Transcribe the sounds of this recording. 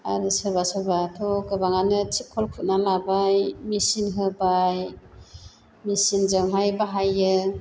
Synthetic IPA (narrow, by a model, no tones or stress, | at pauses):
aɾisɯβasɯbatʰɔɡɯbaŋanɯt͡ʃʰikʰɔlkʰut̚nalabajmisinɦɯbaj | misinzaŋɦajbaɦajɯ